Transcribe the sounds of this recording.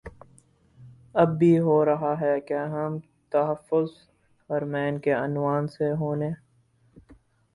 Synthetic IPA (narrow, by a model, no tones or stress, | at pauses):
ɐbːiɦoːɾɐɦaɦɛkeɦɐm | t̪ɐɦəfːʊz | hɐɾmɛːnkeɐnwaːnseɦoːneː